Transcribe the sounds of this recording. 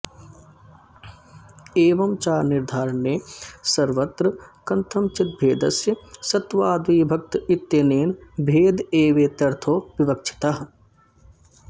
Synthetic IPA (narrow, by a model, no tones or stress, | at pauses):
eːʋɐmt͡ʃaːɾnɪɾd̪ʱaːɾənːeːsɐɾʋɐt̪ɾəkɐnt̪ʰɐmt͡ʃɪt̪̚bʱeːd̪ɐsjəsɐt̪ʋaːd̪ʋiːbʱɐk̚t̪ɪt̪jɐneːnbʱeːd̪eːʋeːt̪ɐɾt̪ʰoːʋɪʋɐk̚t͡ʃʰɪ̥t̪ɐɦ